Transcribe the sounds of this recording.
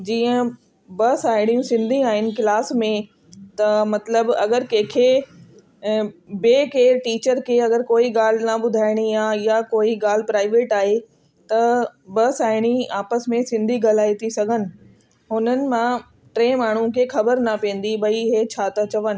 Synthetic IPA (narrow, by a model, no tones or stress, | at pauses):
d͡ʑiːə̃ | bɐsaːɪɽ̃ijũsɪ̃nd̪ʱĩaːɦɪnɪ̆kɪlaːsmẽ | t̪ɐmɐt̪ləbɐ̰ɡəɾkẽːkʰe | beːkeːɾʈiːt͡ɕəɾkʰeːɐɡəɾkoːiɡaːl̤nɐɓʊd̪ʱaːɪɽ̃ijajakoːiɡaːl̤ɪpɾaːɪʋeːʈaːɦe | t̪ɐbɐsaːɪɽ̃iaːpəsmẽsɪ̃nd̪ʱiɡɐl̤aːit̪ʰisɐɡʱənɪ̆ | ɦʊnənɪ̆mã | ʈɾẽːmaːɳ̤ũkʰexɐbəɾnɐpĩːn̆d̪ibɐiɦet͡ɕʰaːt̪ɐt͡ɕɐʋənɪ̆